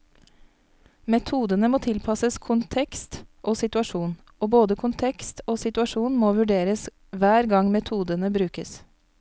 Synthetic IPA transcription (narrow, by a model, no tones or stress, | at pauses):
mɛt̪ʰuːd̪ənəmoːt̪ʰɪlpʰɑsəskʰʊnt̪ʰɛkst̪ʔoːsɪt̪ʉɑʃuːn | oːboːd̪əkʰʊnt̪ʰɛkst̪oːsɪt̪ʉɑʃuːnmoːʋʉɖeːɾəs | ʋæːɾɡɑŋmɛt̪ʰuːd̪ənəbɾʉːkəs